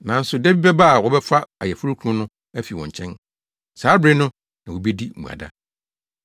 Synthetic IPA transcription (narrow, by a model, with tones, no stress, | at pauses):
nã˨n̩˦sʊ˨dɛ˦bi˦bɛ˦ba˦˨wɔ˦bɛ˦fa˦a˨jɛ˨fʊ˦ɾu˦kʰũ˦nʊ̃˦ | æ˦fi˨wɔ̃˨ɲ˨t͡ɕʰɛ̃˦n | saː˨˦bɾe˦nʊ̃˦ | nã˨wo˨be˦di˦˨ṵ̃˨a̰˨da̰˦